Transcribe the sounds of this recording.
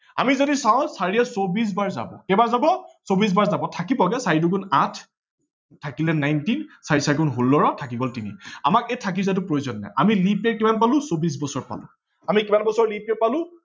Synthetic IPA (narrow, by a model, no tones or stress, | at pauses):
a̰mizodisaʊ̃saɹiɛsobis̬baɹza̰bɔ̰kɛbazabɔsobis̬baɹzabɔtʰakipɔɡɛsaɹidukunatʰ | tʰːakilɛnajntinsaɹisaɹkunɦolːɔɹɔtʰakibɔltimḭa̰makɛtʰak̬izat̬ʊpɹojzɔnːɛ̰ʔamilipɛkimanpalʊ̃sobis̬bɔsɔɹpa̰lʊ̰̃ | amikimanbɔsɔɹlipɛpalʊ̃